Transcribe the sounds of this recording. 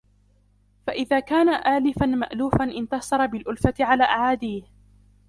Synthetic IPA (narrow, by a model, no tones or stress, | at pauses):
faʔɪðaːkaːnaʔaːlɪfanma̰ʔluːfanʔɪnt̪ɑsˤɑɾˤɑbɪlʔʊlfat̪ɪʕalaːʔaʕaːd̪iːh